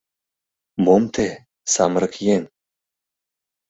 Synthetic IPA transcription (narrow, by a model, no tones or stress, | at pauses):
momt̪ʰe | sɑmɾəkjen